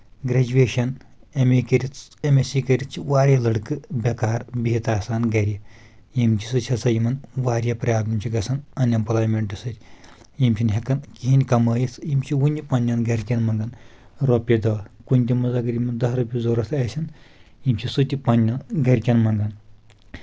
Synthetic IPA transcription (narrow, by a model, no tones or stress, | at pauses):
ɡɾed͡ʒuʋeːʃɐnemekɐɾʲit͡semesikɐɾʲit͡ʃʰiʋaːɾʲjɐlɐɽkɨbʲɐkaːɾbiɦit̪aːsaːnɡɐɾʲi | jimt͡ʃʰi̥sɨt͡ʃʰɐsɐjimɐnʋaːɾʲjɐpɾʲɐjaːt̪mɐmt͡ʃʰiɡɐsɐnɐnʲɐmpɐlaːmeɳʈɨsɨɾʲ | jimt͡ʃʰinɦʲekɐnkiɦinʲkɐmɐːjisjimt͡ʃʰiwunʲipɐnʲjɐnɡɐɾʲkʲɐnmɐŋɡɐn | ɾoːpʲɐd̪ɐːkunʲt̪ʲimɐzaɡɐɾʲimɐnd̪ɐsɾɐpʲizoːɾɐt̪ʰɐsʲɐnjimt͡ʃʰisɨt̪ʲipɐnʲɐnɡɐɾʲkʲɐnmɐŋɡɐn